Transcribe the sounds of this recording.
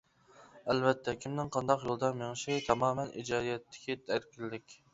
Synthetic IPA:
ɛlvɛt̪ʰːɛkʲʰimnɪŋqʰɑnd̪ɑqjolˠd̪ɑnmeŋʃit̪ʰɑmɑːmɛnʔḭd͡ʒɑːd̪ijɛt̪ʰːɪ̥kʲʰit̪ʰɛɾkʲilːɪkʲ

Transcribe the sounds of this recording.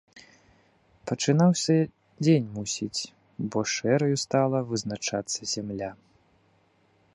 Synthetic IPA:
pɐt͡ʂɨnawsʲɐ | d͡zʲenʲmusʲit͡sʲ | bɔʂɛɾɐjust̪alˠɐvɨznat͡ʂat̪sːɐzʲamlʲa

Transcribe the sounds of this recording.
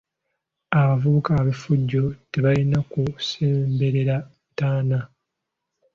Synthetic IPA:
aβavuβukaːβifuɟːo̞te̞βalinakuseːmbe̞ɾe̞ɾa | taːna

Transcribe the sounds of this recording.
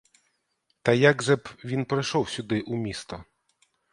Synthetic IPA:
t̪ɐjaɡʒɛbʋʲinpɾɪjʃɔwsʲʊd̪ɪʔumʲist̪ɔ

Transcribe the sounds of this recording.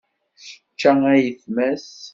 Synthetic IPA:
sə̥t͡ʃːææjəθmæs

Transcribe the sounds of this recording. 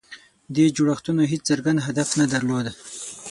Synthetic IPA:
d̪ed͡ʒuɽaxt̪unoɦet͡szəɾɡand̪ɦad̪afnad̪aɾlod̪a

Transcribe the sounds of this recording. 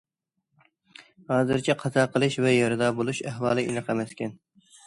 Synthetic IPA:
hɑːzɨɾt͡ʃʰɛqʰɑzɑːqʰəlˠɨʃvɛjɑɾɨd̪ɑːbolˠuʃæɦwɑːlˠɨʔinɨqʰɑmɛskʲɛn

